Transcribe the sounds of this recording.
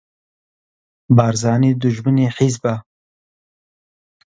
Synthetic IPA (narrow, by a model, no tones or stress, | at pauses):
bɑːɾzɑːneːd̪ʊʒməneħizba